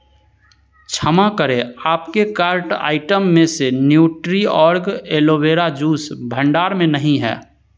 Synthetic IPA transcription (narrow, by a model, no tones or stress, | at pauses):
t͡ʃʰəmakəɾeaːpkekaːɾʈa̰ːɪʈəmːẽsenjuːʈɾiɔːɾɡeːloʋeːɾad͡ʒuːsbʱə̃ɳɖaːɾmẽnəɦĩɦɛ̰ː